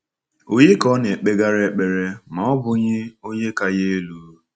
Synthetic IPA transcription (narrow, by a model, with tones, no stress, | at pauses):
o˨je˦kɔ˦ne˨k͡pe˦ɡa˦ɾe˨˦k͡pe˨ɾe˨ma˨ɔ˦bʊ˨ɲɪ˦o˦ɲe˦ka˨je˦e˦luː˨˦